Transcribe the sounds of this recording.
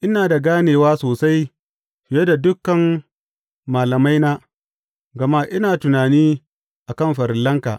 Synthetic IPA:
ʔɪ˦naː˨da˨ɡaː˦neː˨waː˦soː˨sa˦j | ɸɪ˨je˦da˨dʊ˦kːɐ˨mː | aː˨lɐ˨ma˦jnaː˦ | ɡɐ˨ma˦ʔɪ˦naː˨tʊ˨naː˨niː˦ | ʔa˨kɐ˦mɸɐ˨ɾɪ˨lːɐ˦ŋka̰ː˨ʔ

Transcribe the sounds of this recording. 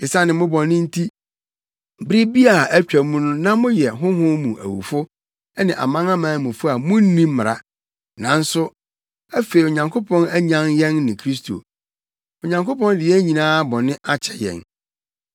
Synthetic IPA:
ɪ˨sã˦nɪ̃˨mʊ̃˦bɔ̃˨nɪ̃˦n̩˦tʰi˦ | bɾi˦bi˦a˨ʔæ˦t͡ɕᶣæ˨mũ˦nʊ̃˦nã˦mʊ̃˦jɛ˨ɦʊ̃˦ɦʊ̃˦mũ˨ʔæ̰˨wṵ˨fʊ˦ | nɪ̃˨ʔa̰˨mã˦nã˦mãː˨˦mũ˨fʊ˦a˨mʊ̃˦n̩˦nĩ˦m˦mɪ˨ɾa˦ | nã˨n̩˦sʊ˦ | æ˦fe˨i˨o˨ɲã˨ŋkʰo˦pʰɔ̃˦næ˦ɲã˦njɛ̃˦nːɪ̃˨kʰɾi˦s̬tʰo̰˨ | o˨ɲã˨ŋko˦pɔ̃˦ndɪ˨jɛ˦ɲĩ˨nãː˦bɔ̃˨nɪ̃˦ʔa˦t͡ɕʰɛ̥˨jɛ̰̃˨n

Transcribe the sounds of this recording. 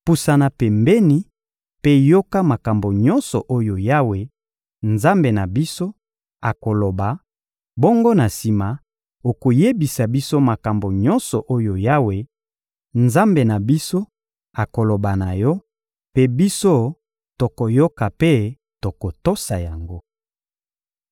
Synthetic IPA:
pu˨sa˨na˨pɛ˨mbɛ˦ni˦ | pe˦jo˦ka˦ma˨ka˨mbo˨ɲɔ˦nsɔ˨ʔo˦jo˨ja˦we˨ | nza˦mbe˨na˨bi˦so˦ | a˨ko˨lo˨ba˨ | bo˦ŋɡo˦na˨si˨ma˨ | o˨ko˨je˦bi˨sa˨bi˦so˦ma˨ka˨mbo˨ɲɔ˦nsɔ˨ʔo˦jo˨ja˦we˨ | nza˦mbe˨na˨bi˦so˦ | a˨ko˨lo˨ba˨na˨jɔ˦ | pe˦bi˦so˦ | to˨ko˨jo˦ka˨pe˦ | to˨ko˨to˦sa˨ja˨ŋɡo˦

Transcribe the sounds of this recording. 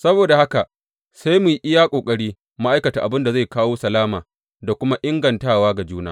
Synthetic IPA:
sɐ˦boː˨da˨ha˦ka˨ | sa˦jmu˨jʔɪ˦ja˦kʷʼoː˨kʼɐ˦ɽiː˦ | ma˦ʔa˦jkɐ˨taː˨ʔa˨bɪ˦nda˨za˦jkaː˦woː˦sɐ˨laː˦maː˨ | da˨kʷʊ˦ma˦ʔɪ˦ŋɡɐ˨ntaː˦waː˦ɡa˨d͡ʒuː˦na̰ː˦

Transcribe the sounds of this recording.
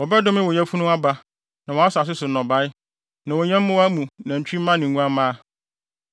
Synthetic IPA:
wɔ˨bɛ˦dʊ̃˦mɪ̃˦wɔ˨ɲɛ̃˦fu˦nʊ̃˦a˦ba˦ | nã˨wɔ˨a˦sa˨s̬ɪ˦sʊ˨˦nɔ̃˨ba˦ɪ˦ | nã˨wɔ˨ɲɛ̃˦m˦mʊ̃˦wa˦mũ˨nã˨ɲ̩˨t͡ɕᶣi˦mã˦nɪ̃˨ŋ˦ɡũ˦a˦mã˦

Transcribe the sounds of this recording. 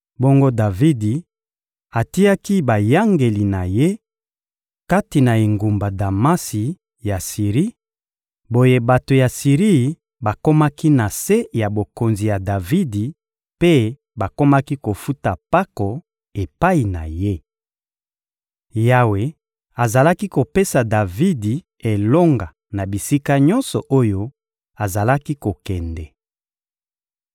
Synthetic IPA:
bo˦ŋɡo˦da˨vi˦di˨ | a˨ti˦ja˦ki˦ba˨ja˦ŋɡe˨li˨na˨je˦ | ka˦ti˨na˨e˨ŋɡu˨mba˨da˨ma˦si˨ | ja˨si˨ʁi˦ | bo˦je˦ba˨to˨ja˨si˨ʁi˦˨ | ba˨ko˦ma˦ki˦na˨se˦ja˨bo˨ko˨nzi˨ja˨da˨vi˦di˨ | pe˦ | ba˨ko˦ma˦ki˦ko˨fu˦ta˨pa˦kɔ˨ | e˨pa˦i˨na̰˨je˦ | ja˦we˨ | a˨za˨la˦ki˦ko˨pe˦sa˨da˨vi˦di˨ | e˨lo˦ŋɡa˨ | na˨bi˨si˦ka˦ɲɔ˦nsɔ˨ʔo˦jo˦ | a˨za˨la˦ki˦ko˨kɛ˨ndɛ˨

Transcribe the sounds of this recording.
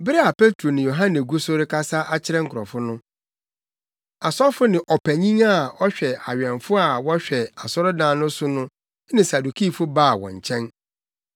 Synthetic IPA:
bɪ˦ɾi˦a˨pe˦tɾo˨nɪ̃˨jo˨ɦã˦nɛ̃˨ɡu˦so˦ɾɪ˦kʰa˦sa˦ʔa˦t͡ɕʰɪ˦ɾɛ̃˦ŋ̩˨kʰʊ˨ɾɔ˨fʊ˦nʊ̃˦ | a˨sɔ˦ɾfʊ˦nɪ̃˨ʔɔ˨pʰæ˨ɲĩ˦ŋa˦ɔ˦ɕᶣɛ˨a˨ɥᶣɛ̃˨nfʊ˦a˨wɔ˦ɕᶣɛ˨a˨sɔ˦ɾʊ˦dãː˦nʊ̃˦sʊ˦nʊ̃˦ | nɪ̃˨sa˨du˨kʰi˦˨fʊ˦baː˦˨wɔ̰̃˨ɲ˨t͡ɕʰɛ̃˦n

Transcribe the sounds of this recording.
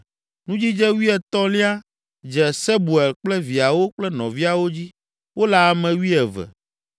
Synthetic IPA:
nũ˦d͡ʑi˦d͡ʒɛ˦wi˦ɛ˨t̪ɔ̃˦li˦a˦ | d͡ʒɛ˨sɛ˦bu˨ɛ˨lk͡plɛ˦vi˨a˨wo˦k͡plɛ˦nɔ̰̃˨vi˦a˨wo˦d͡ʑi˦ | wo˦la˦˨mɛ̃˨wi˦ɛ˨vɛ̰˨

